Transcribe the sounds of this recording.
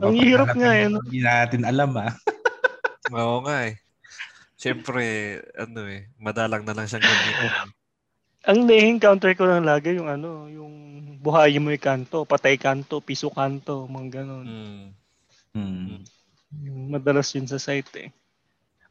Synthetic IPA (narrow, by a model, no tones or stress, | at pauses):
ʔɐŋhihiːɾɐp̚ŋaʔɐnoiaaːt̪ɪnɐlama | ʔoŋaʔɛ | ʃɛmpɾɛʔɐ̰no̞ɛmɐd̪aːlɐŋnɐlɐŋʃɐŋɡɐni | ʔɐŋd̪ɛhɪŋkawnt̪ɛɹkolɐŋlaːɡɐjʊŋɐno̞jʊŋbʊɦaːjɪmoɪkaːnt̪o̞pɐt̪ajkaːnt̪o̞piːsokaːnt̪o̞mɐŋaɡɐno̞n | jʊŋmɐd̪ɐlasjʊnsɐsajt̪ɛ̰